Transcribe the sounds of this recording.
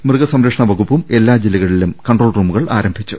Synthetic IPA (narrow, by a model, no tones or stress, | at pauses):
mrɨɣɐsɐmɾɐkʂɐɳɐʋɐɣupːume̞lːaːd͡ʑilːɐɣɐɭilumkɐɳɖroːɭruːmuɣɐɭa̰ːɾɐmbʱit͡ɕːu